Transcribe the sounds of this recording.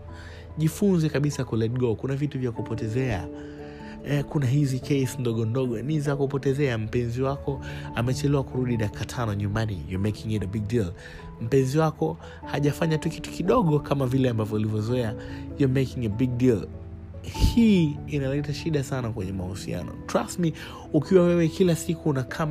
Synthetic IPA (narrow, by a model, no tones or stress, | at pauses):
ʄifunzɛkaɓisakulɛd̚ɡɔkunavituvjakupɔtɛzɛa | kunaɦizikʰɛjsndɔɠɔndɔɠɔnizakupɔtɛzɛam̩pɛnziwakɔamɛt͡ʃɛlɛwakuɾuɗiɗakʰatʰanɔɲumbanḭjɔmɛkiŋɛdbiɡ̚dil | m̩pɛnziwakɔ | haʄafaɲatukitu̥kiɗɔɠɔkamavilɛambavjɔulivjɔzɔɛajɔmɛkiŋabiɡ̚dil | hiːnalɛtaʃiɗasanakwɛɲɛmahusia̰nɔ̰tɾasmi | ukiwawɛwɛkilasikuːnakʰam